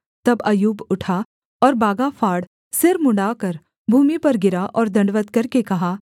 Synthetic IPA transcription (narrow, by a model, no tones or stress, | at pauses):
t̪ɐbɐjuːbʊʈʰa | ɔːɾbaːɡafʰaːɽ | sɪɾmʊ̃ɳɖaːkɐɾ | bʱuːmipɐɾɡɪɾaʔɔːɾd̪ɐ̃ɳɖʋət̪kɐɾkekɐɦaː